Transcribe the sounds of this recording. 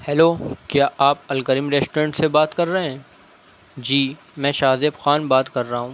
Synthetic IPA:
hɛloːkjaːʔaːp̚ɐlkəɾiːmɾeːsʈoːɾə̃ɳʈsebaːt̪kɐɾːɐɦẽɛ̃ː | d͡ʒiː | mɛ̃ːʃaːzebxaːnbaːt̪kɐɾːaɦũː

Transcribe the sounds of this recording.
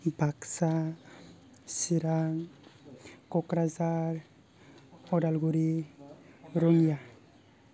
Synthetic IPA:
bʱaksa | siɾaŋ | kɔkɾazaɾ | ɔdalɡuɾi | ɾonija

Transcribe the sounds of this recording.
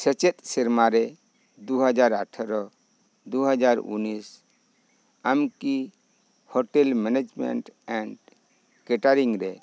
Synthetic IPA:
sɛt͡ʃɛt̪̚ʼsiɾmaɾɛ | d̪uɦad͡ʒaɾaʈʰɾɔ | d̪uɦad͡ʒaɾṵnis | amki | hɔʈɛlmɛned͡ʒmɛ̰ɳʈɛɳɖ | kɛʈaɾiŋɾɛ

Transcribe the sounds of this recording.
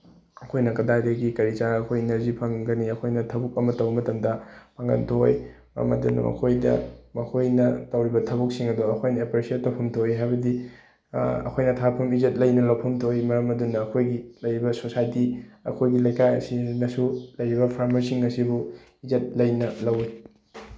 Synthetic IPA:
ɐkʰojnɐkɐdadɐɡikɐɾit͡ʃaɾɐkʰojnɐzipʰɐŋɡɐniɐkʰojnɐtʰɐbuk̚ɐmɐtɐwbɐmɐtɐmdɐpʰaŋɡɐ̰ntʰoj | mɐ̰ɾɐ̰mɐ̰dunːɐ̰mɐ̰kʰojdɐ̰mɐkʰojnɐtɐwɾibɐtʰɐbuk̚siŋɐduɐkʰojnɐepɾesietɐwpʰɐmtʰoiɦajbɐdi | ɐ̰kʰojnɐtʰapʰɐmizet̚lɐjnɐlɐwpʰɐmtʰoimɐɾɐmɐdunːɐːkʰojɡilɐjɾibɐsosajtiɐ̰kʰojɡilɐjkajɐ̰sinɐsulɐjɾibɐpʰaɾmɐɾsiŋɐsibu | izet̚lɐjnɐlɐwi

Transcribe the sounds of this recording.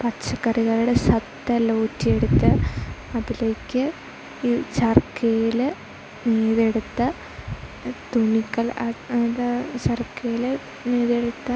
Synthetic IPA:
pɐt͡ɕːɐkːɐriɣɐluɽesɐt̪ːɐloːtːije̞ɽut̪ːɐɐðile̞ːkʲːɨ | sɐrkejil | neːðe̞ɽut̪ːɐ | t̪unikːɐlɐ | sɐrkːejil | neːðeɽut̪ːɐ

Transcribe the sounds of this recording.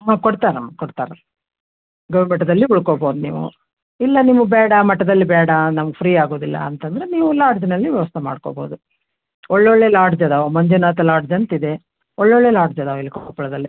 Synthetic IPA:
ɦaːkoɽt̪aːɾɐmːɐkoɽt̪a̰ːɾɐ | ɡɐʋimeʈːɐd̪ɐlːiuɭkoːboːd̪unḭːʋṵ | ilːɐniːʋubɛːɽɐmɐʈːɐd̪ɐlːibɛːɽɐnɐmɐɡpʰɾiːaːɡo̞ːd̪ilːɐ̰ɐnt̪ɐnd̪ɐɾeniːʋulaːɾɖd͡ʒinɐlːiʋjɛʋɐst̪ʰema̰ːɖko̰ːbo̰ːd̪u | ɔɭːeɔɭːeːlaːɾɖd͡ʒɐd̪aːʋmɐɲd͡ʒunaːt̪ɐlaːɾɖd͡ʒɐnt̪id̪e | ɔɭːeoɭːe̞ːlaːɖd͡ʒɐd̪aʋilːɐkɐpɐɭɐd̪ɐlːi

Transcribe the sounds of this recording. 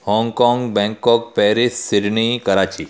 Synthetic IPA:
hɔ̃ŋɡkɔ̃ŋɡbɛ̃ŋkɔk̚pɛɾisːiɽnikəɾat͡ɕiː

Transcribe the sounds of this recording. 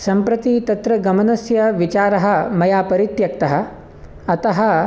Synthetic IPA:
sɐmpɾɐt̪it̪ɐt̪ɾɐɡɐmɐnɐsjɐʋit͡ʃaːɾɐɦɐ̆mɐjaːpɐɾit̪jɐk̚t̪ɐɦɐ̆ | ɐt̪ɐɦɐ

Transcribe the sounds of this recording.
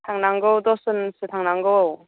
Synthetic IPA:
t̪ʰaŋnaŋɡɯwd̪ɔsɯnsɯt̪ʰaŋnaŋɡow

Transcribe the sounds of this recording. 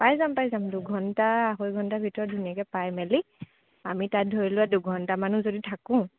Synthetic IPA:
pajzampajzamduɡʱɔntaaɦojɡʱɔntabʱitɔɹɔt̚dʱunijakɛpajmɛli | amitat̚dʱoɹilʊwaduɡʱɔntamanuzoditʰakʊ̃

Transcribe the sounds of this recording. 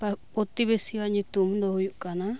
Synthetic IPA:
papot̪iβesiβaɲĩt̪umũnd̪ohujuʔkanã

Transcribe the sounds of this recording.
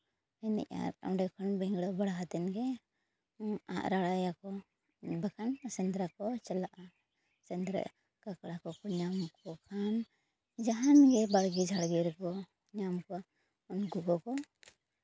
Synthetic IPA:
ɛnɛ̰ʔa̰ɾa̰wɖɛkʰɔnbiŋɡɽɔbaɽaɦat̪ɛnɡɛ | a̰ʔɾaɽajakɔ | bakʰansɛnd̪ɾakɔt͡ʃɛlaʔa | sɛnd̪ɾa̰ʔ | kakaɽakɔkɔɲamkɔkʰam | d͡ʒaɦanɡɛbaɽɡid͡ʒʱaɽɡɛɾkɔ | ɲamkɔ | ɔnɡuɡɔkɔ

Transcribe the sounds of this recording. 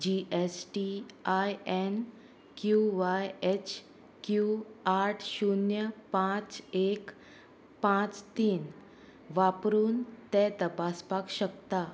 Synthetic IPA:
d͡ʑiʔesʈiajen | kjuʋajet͡ɕʰ | kjuaɾʈʰɕunjəpãt͡sek | pãt͡st̪iːn | ʋapɾuːnt̪ɛ̃t̪əpaspakɕəkt̪a

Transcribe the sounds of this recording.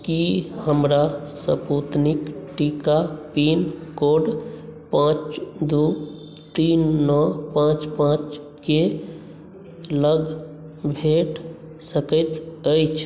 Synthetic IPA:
kihəmɾasəput̪nikʈikapinkoɖpãt͡ʃd̪u | t̪inːɔpãt͡ʃpãt͡ʃ | ke | ləɡ | bʱeʈ | səkəjt̪əjt͡ʃʰ

